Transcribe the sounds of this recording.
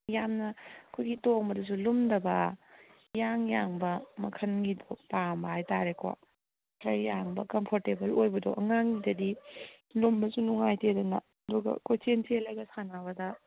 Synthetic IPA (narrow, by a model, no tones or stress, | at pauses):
jamnɐkʰujɡitoŋbɐdɐs̬ulumdɐbɐ | jaŋjaŋbɐmɐkʰɐnɡidopambɐɦajtaɾekwa̰ | kʰɾɐɾjaŋbɐkɐmpʰoɾtebɐlojbɐdo̰ʔɐŋaŋidɐdi | lumbɐsunuŋajtedɐnɐ̰ | ɐduɡɐ̰kʰojt͡ʃentelɐjɡɐsanaβɐdɐ